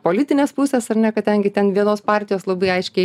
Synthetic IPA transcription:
poːlʲɪt̪ʲɪnʲeːspusʲɛsɐrnʲɛkɐt̚dʲɛŋʲɡʲɪt̪ʲɛnʋʲiɛnoːspɑːɾʲt̪ʲɪjoːslˠɐbɐɪɐɪʃʲkʲɛɪ

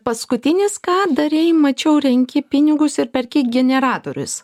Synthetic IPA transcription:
pɐskʊt̪ʲɪnʲɪskɑːd̪ɐɾʲɛɪmɐt͡ʃʲɛʊɾʲɛŋʲkʲɪpʲɪnʲɪɡʊsɪɾpʲɛɾʲkʲɪɡʲɛnʲɛɾɑːt̪oːɾʲʊ̰s

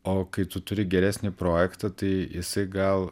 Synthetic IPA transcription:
oːkɐɪt̪ʊt̪ʊɾʲɪɡʲɛɾʲæːsʲnʲɪpɾoːjɛkt̪ɐt̪ɐɪjɪsɐɪɡɐlˠ

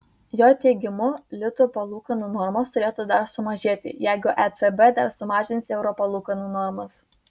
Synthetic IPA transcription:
joːt̪ʲɛɪɡʲɪmʊlʲɪt̪ʊpɐlˠuːkɐnuːnɔɾmoːst̪ʊɾʲeːt̪ud̪ɐɾsʊmɐʒʲeːt̪ʲɪ̰jæɪɡʊʔɛt̪sɛbɛd̪ɐɾsʊmɑːʒʲɪnsɛʊɾɔpɐlˠuːkɐnuːnɔɾmɐs

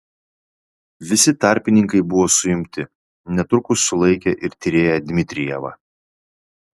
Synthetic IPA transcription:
ʋʲɪsʲɪt̪ɑˑɾʲpʲɪnʲɪŋkɐɪbʊʋoːsʊɪmʲt̪ʲɪ | nʲɛt̪ʊɾkʊsʊlˠɐɪkʲɛʔɪɾt̪ʲiɾʲeːjɛd̪ʲmʲɪt̪ʲɾʲɪjɛʋɐ̰

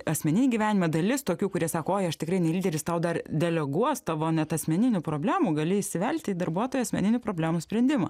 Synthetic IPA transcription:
ɐsʲmʲɛnʲɪnʲiːɡʲiːʋʲæːnʲɪmɐd̪ɐlʲɪst̪oːkʲuːkʊɾʲiɛsɑːkoːoːjɐʃt̪ʲɪkɾɐɪnʲɛlʲiːd̪ʲɛɾʲɪst̪ɐʊd̪ɐrd̪ʲɛlʲɛɡuɔst̪ɑʋoːnʲɛt̪ɐsʲmʲɛnʲɪnʲuːpɾoːbʲlʲæːmuːɡɐlʲɪɪʃʲsʲɪʋʲɛlʲkʲt̪ʲɪd̪ɐrbuɔt̪oːjuɐsʲmʲɛ̰nʲɪnʲuːpɾoːbʲlʲæːmusʲpʲɾʲɛnʲd̪ʲɪmɐ̰

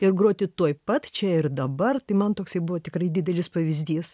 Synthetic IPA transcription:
ɪrɡɾoːt̪ʲɪt̪uɔjpɐt̪t͡ʃʲɛɪrd̪ɐbɐrt̪ɐɪmɐnt̪oːksɐɪbʊʋoːt̪ʲɪkrɐɪd̪ʲɪːd̪ʲɛlʲɪspɐʋʲɪzʲd̪ʲiːs

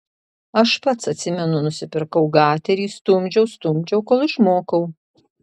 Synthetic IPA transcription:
ɐʃpɐt̪sɐt̪ʲsʲɪmʲɛnʊnʊsʲɪpʲɪɾkɐʊɡɑːt̪ʲɛɾʲiːst̪ʊmʲd͡ʒʲɛʊst̪ʊmʲd͡ʒʲɛʊkoːlˠɪʃmoːkɐʊ

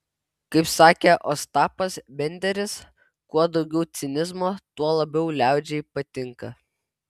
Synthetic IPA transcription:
kɐɪpsɑːkʲeːʔost̪ɑːpɐsbʲɛnʲd̪ʲɛɾʲɪs | kuɔd̪ɒʊɡʲɛʊt̪sʲɪnʲɪzmoːt̪uɔlˠɐbʲɛʊlʲæˑʊd͡ʒʲɛiːpɐt̪ʲɪŋkɐ

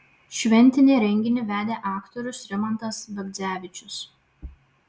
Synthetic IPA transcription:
ʃʲʋʲɛnʲˑt̪ʲɪnʲeːɾʲɛŋʲɡʲɪnʲɪʋʲæːd̪ʲeːʔɑːkt̪ɔɾʲʊsɾʲɛmɐnt̪ɐsbɐɡd̪zʲæːʋʲɪt͡ʃʲʊs

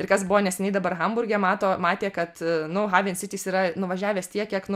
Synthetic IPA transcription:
ɪɾkɐsbʊʋoːnʲɛsʲɛnʲɛɪd̪ɐbɐrɣɐmbʊrʲɡʲɛmɑːt̪oːmɑːt̪ʲeːkɐt̪nʊɦɑːʋʲiɛnsʲɪt̪ʲiːsiːɾɐnʊʋɐʒʲæːʋʲeːst̪ʲiɛkʲiɛknʊ

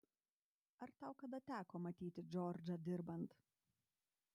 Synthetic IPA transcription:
ɐɾt̪ɑʊkɐd̪ɐt̪ʲæːkoːmɐt̪ʲiːt̪ʲɪd͡ʒʲɔːɾʲd͡ʒʲɐd̪ʲɪɾbɐnt̪

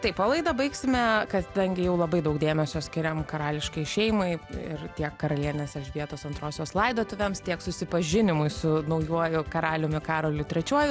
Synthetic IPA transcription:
t̪ɐɪpɑlˠɐɪd̪ɐbɐɪksʲɪmʲɛkɐd̪ɐŋʲɡʲɪjɛʊlˠɐbɐɪd̪ɐʊkd̪ʲeːmʲɛsʲoːsʲkʲɪɾʲɛmkɐɾɑːlʲɪʃkɐɪʃʲɛɪmɐɪɪ̰ɾt̪ʲiɛkːɐɾɐlʲiɛnʲeːsɛlʲʒʲʋʲiɛt̪oːsɐnt̪ɾoːsʲoːslˠɐɪd̪oːt̪ʊʋʲɛmst̪ʲiɛksʊsʲɪpɐʒʲɪnʲɪmʊɪsʊnɐʊjuɔjʊkɐɾɑːlʲʊmʲɪkɑːɾoːlʲʊt̪ʲɾʲɛt͡ʃʲuɔjʊ

